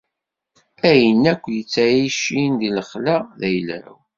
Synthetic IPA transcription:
æjənːækʷːjət͡sːæjiʃind̪iləχlæðæjlæ̰w

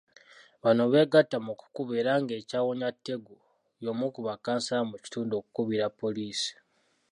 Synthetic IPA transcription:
βano̞βe̞ɡatːamuku̥kuβeɾaŋɡe̞ːcaːwoɲatːe̞ɡu | jomukuβakaːnsaamuci̥tuːndo̞ku̥kuβiɾapːo̞liːsi̥

